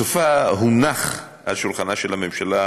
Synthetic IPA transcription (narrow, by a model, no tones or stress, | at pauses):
ufaɦunaχ | a̰ʃulχanaʃelamemʃala